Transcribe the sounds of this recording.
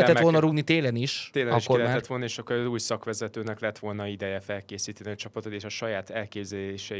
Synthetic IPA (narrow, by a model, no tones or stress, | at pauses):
ɛt̪o̞lnɒɾuɡnit̪eːlɛniʃt̪eːlɒiʃkːorːɛt̪ʋo̞lnɒeːʃɒkːoɾzuːjsɒkʋɛzɛt̪øːnɛklɛt̪ʋo̞lnɒid̪ɛjɛfɛlkeːsiːt̪ɛniɒt͡ʃɒpɒt̪ot̪eːʃɒʃɒjaːt̪ɛlkeːbzɛleːʃɛ